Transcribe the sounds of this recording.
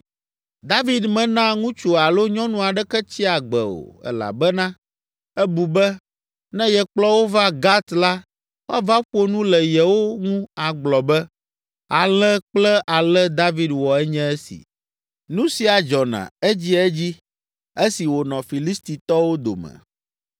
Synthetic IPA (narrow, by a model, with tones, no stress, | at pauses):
d̪a˦vi˦d̪mɛ̃˨nã˦ŋũ˦t͡ʃu˨a˨lo˦ɲɔ̃˦nũ˦a˨ɖɛ˦kɛ˦t͡ɕi˦a˨ɡ͡bɛ̰˨o̰˨ɛ̰˦˨la̰˨bɛ˦nã˦ | ɛ˦bu˨bɛ˦ | nɛ̃˦jɛ˨k͡plɔ˦wo˦va˦ɡa˦t̪la˦ | wo˦a˦va˦ɸo˦nũ˦lɛ˨jɛ˨wo˦ŋũ˦a˨ɡ͡blɔ˨bɛ˦ | a˨lɛ˦k͡plɛ˦ʔa˨lɛ˦d̪a˦vi˦dwɔ˨ɛ˦ɲɛ̃˦ɛ˦sḭ˨ | nũ˦si˨a˨d͡ʒɔ˨nã̰˨e˦d͡ʑi˦ɛ˦d͡ʑi˦ | e˦si˨wo˨nɔ̃˨fi˨li˦st̪i˨t̪ɔ˦wo˦d̪o̰˨mɛ̰̃˨